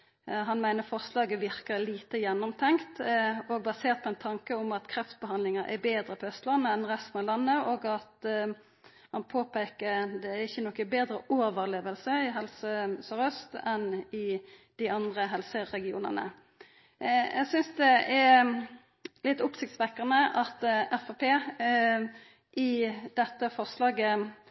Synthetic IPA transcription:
ɦɑnmæɪnəʁfɔʁslɑːɡəʋɪʁkəliːt̪əjɛnːɔmt̪ʰɛŋkt̪ɔɡ̚bɑseːʁt̪̚pʰɔɛnt̪ʰɑŋkəʊmɑt̪kʰɾɛft̪sbəhɑnd̪lɪŋəɾʔæ̰beːd̪ɾəpʰɔœst̪lɑnːəɛnʁɛst̪ən̩ɑʋlɑnːəʔoːɡɑt̪ | hɑnpʰoːpʰeːkəɾd̪ɛæɪçːənɔkːəbeːd̪ɾəʔoːʋəʁleːʋəlsəɪɦɛlsəsɔɾœst̪ɛnɪd̪̥ɪɑnd̪ʁəɦɛlsəɾɛɡɪṵːnə̰nə̰ | jæɡsʏnsd̪ɛɛ | lɪt̪ːʊpsɪkt̪sʋɛkːəʁnəʔɑt̪ɛfɑpʰeː | ʔɪd̪ɛt̪ːəfɔʁslɑːɡə

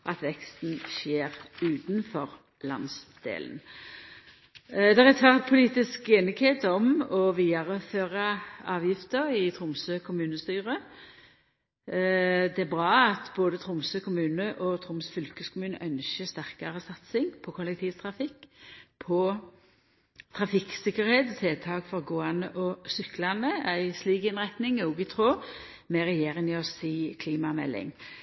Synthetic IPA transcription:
ʔɑt̪ʋɛkst̪n̩ʃeːʁʉːt̪n̩fɔʁ | lɑ̰nsd̪̥ḛːln | d̪æʁɛt̪ʰʋæʁt̪̚pʰʊliːt̪ɪskeːnɪɡheːt̪ɔmɔʋiːɑʁəføːʁɑɑːʋjɪft̪əɾɪt̪ʰʁʊmsøːkʰʊmʉːnəst̪yːʁə | d̪ɛæbʁɑːɑt̪boːd̪ət̪ʰʁʊmsøkʰʊmʉːnəʔɔt̪ʰɾʊmsfʏlkəskʰʊmʉːnə̰ʔœnʃəst̪æʁkɑʁəsɑt̪sɪŋpʰɔkʰʊlɛk̚t̪ʰiːʋt̪ʰɾɑfɪkːpʰɔ | t̪ʰɾɑfɪksɪkːəɾheːt̪t̪ʰeːt̪ʰɑːkfɔʁɡoːɑnəʔɔsʏklɑnəæɪsliːɡɪnʁæt̪nɪŋoːɡɪt̪ʰɾoː | mɛʁɛjeːɾɪŋɪɔsiːkʰliːmɑmɛ̰lːɪ̰ŋ

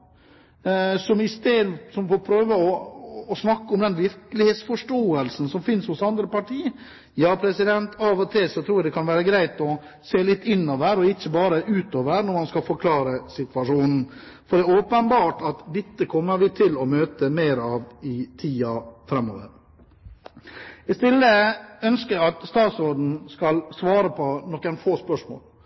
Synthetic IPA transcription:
sɔmɪst̪eːd̪sɔmfɔɾpʰɾøːʋəɔːsnɑkːəɔmd̪ɛnʋɪɾklɪheːt̪sfɔʂʈoːəlsn̩sɔmfɪnshʊsɑnd̪ɾəpɑʈʰiː | jɑːpʰɾɛsɪd̪ɛnt̪ɑʋɔt̪ʰɪlsɔt̪ʰɾuːɾjæd̪ɛkʰɑnʋæːɾəɡɾæɪt̪ɔ | seːlɪt̪ːɪnːoːʋəɾɔɪçːəbɑːɾəʔʉːt̪oːʋəɾnɔɾmɑnskɑfɔɾkʰlɑːɾəsɪt̪ʋɑʂuːnn̩ | fɔɖ̪ɛoːpənbɑːʈɑt̪d̪ɛt̪ːəkʰɔmːəɾʋɪt̪ʰɪlɔmøːt̪əmeɪɾɑʋɪt̪ʰiːɑfɾɛmːo̰ːʋə̰ɾ | ɪst̪ɪlːəœnskəɑt̪st̪ɑːt̪sɔɖ̪ɳ̩skɑlsʋɑːɾəpʰɔnɔkːənfoːspœʂmo̰ːl

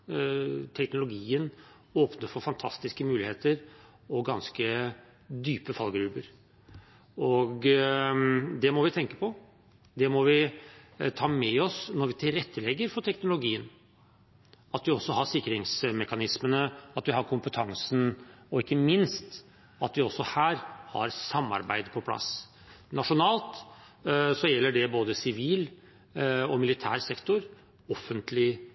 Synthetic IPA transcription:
t̪ʰɛknʊlʊɡiːən | oːpnəɾfɔɾfɑnt̪ʰɑst̪ɪskəmʉːlɪheːt̪əɾ | ɔɡɑnskə | d̪yːpəfɑlɡɾʉːbəɾ | ɔɡ | d̪ɛmɔʋɪt̪ʰɛŋkə̥pʰɔ | d̪ɛmɔʋɪ | t̪ʰɑːmɛɔsnɔɾʋɪt̪ʰɪlɾɛt̪ʰːəlɛɡːəɾfɔʈ̪ʰɛknʊlʊɡiːən | ɑt̪ʋɪɔsːɔhɑʂɪkːəɾɪŋsmɛkɑnɪsmənəɑt̪ʋɪhɑɾkʰʊmpət̪ʰɑŋsn̩ɔɪkːəmɪnst̪ | ɑt̪ʋɪɔsːɔhæːɾhɑ̰ɾsɑmːɑ̰ɾbæ̰ɪd̪pʰɔpʰlɑ̰s | nɑʂʊnɑːlt̪ | sɔjɛlːəɖɛboːd̪əsɪʋiːl | ɔmɪlɪt̪ʰæ̰ːɾsɛkt̪ʊɾ | ɔfːənt̪lɪ

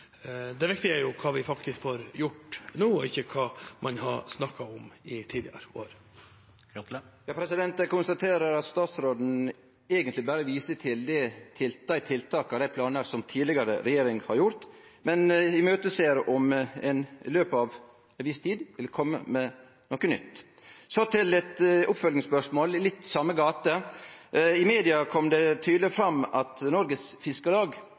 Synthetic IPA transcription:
d̪ɛʋɪkt̪ɪæɾjʊkʰɑːʋɪfɑkt̪ʰɪskfoːɾjʊʈnuːɔɪçːəkʰɑːmʔɑnhɑsnɑkːɑɔmɪt̪ʰiːd̪ɪə̰ɾo̰ːɾ | jɑːpʰɾɛsɪd̪ɛnt̪əkʊnst̪ɑt̪ʰeːɾəɾɑt̪st̪ɑːt̪sɾoːd̪n̩ | ɛːɡənt̪lɪbæɾəʋiːsət̪ʰɪld̪ɛt̪ʰɪld̪æɪt̪ʰɪlt̪ʰɑːkɑd̪æɪpʰlɑːnəɾsɔmt̪ʰiːd̪ɪɡɑɾə̰ɾɛjeːɾɪŋhɑɾjʊɾt̪mɛnɪmøːt̪əseːɾʔɔmɛ̰nløːpɑʋ | ʋɪst̪ʰiːd̪ʋɪlkʰɔmːə̰mɛ | nɔkːənʏ̰t̪ːsɔt̪ʰɪlɛt̪ʊpfœlnɪŋspœʂmoːllɪt̪ːsɑmːəɡɑːt̪ə | ɪmeːd̪ɪɑkʰɔmd̪ɛt̪ʰyːd̪lɪfɾɑmːɑt̪nɔɾɡəsfɪskəlɑːɡ

